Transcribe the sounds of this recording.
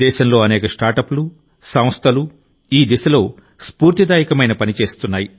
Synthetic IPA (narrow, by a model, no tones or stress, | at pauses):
ɛːʃɐmlo̞ːɐnɛːkɐsʈaːɾʈɐpulu | sɐm̃st̪ʰɐlu | iːd̪isɐlo̞ː | spuːɾt̪id̪aːjikɐmɐjnɐpɐnit͡ʃe̞ːst̪unːaːji